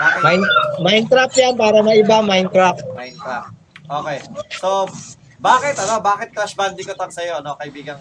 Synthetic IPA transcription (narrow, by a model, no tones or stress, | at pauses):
amajnmajnt̪ɾap̚janpaːɾɐmɐʔɪbamajnt̪ɾap̚majnt̪ɾap̚ | ʔoːkɛjso | baːkɪt̪̚ɐno̞baːkɪt̪̚kɾɐsband̪ɪkot̪ɐŋsɐjoɐno̞kɐɪbiːɡɐn